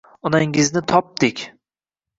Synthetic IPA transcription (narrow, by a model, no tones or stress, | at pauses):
ɒnaŋɪznɪt̪ʰɒp̚d̪̥ɪkʲ